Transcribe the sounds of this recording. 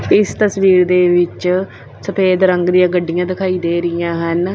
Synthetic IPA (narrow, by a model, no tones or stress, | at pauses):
ɪst̪əsʋiːɾd̪eːʋɪt͡ʃ | səpʰeːd̪ɾəŋɡd̪ijãːɡəɖːijãːd̪ɪkʰaːiːd̪eːɾɪjãːɦən